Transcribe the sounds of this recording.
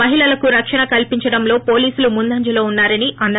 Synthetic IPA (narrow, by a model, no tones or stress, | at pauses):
ɐɦiɭɐlɐkuɾɐkʂɐɳɐkɐlpiɲt͡ʃɐɽɐmlo̞ːpo̞ːliːsulumund̪ɐɲd͡ʒɐlo̞ːunːaːɾɐniʔɐnː